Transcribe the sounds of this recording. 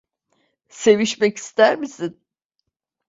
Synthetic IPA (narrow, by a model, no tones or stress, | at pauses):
se̞viʃmɛci̥st̪ʰæɾmisin